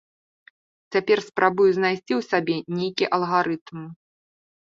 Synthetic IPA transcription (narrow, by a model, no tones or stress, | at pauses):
t͡sʲapʲɛrspɾabujuzʲnajsʲt͡sʲiwsabʲɛnʲejkʲiʔɐlˠɣaɾɨt̪m